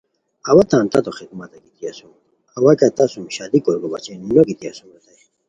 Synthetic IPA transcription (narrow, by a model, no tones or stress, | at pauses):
ɐwat̪ãːnt̪ɐt̪oxid̪mat̪ɐkit̪ʰiasum | ɐwakat̪asumɕad̪ikoɾɡoba̰t͡ɕennokit̪iasumot̪aj